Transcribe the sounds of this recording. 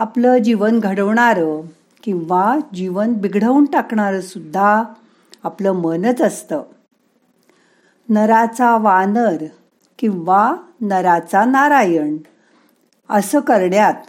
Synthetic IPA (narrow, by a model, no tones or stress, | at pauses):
apləd͡ʑiʋənɡʱəɽəʋɳaɾə | kĩwʋad͡ʑiʋənbiɡɽ̤əuɳʈakɳaɾəsud̪ʱːa | apləmənət͡səst̪ə | nəɾat͡saʋanəɾ | kĩw̃ʋanəɾat͡sanaɾajəɳ | əsəkəɾɳjat̪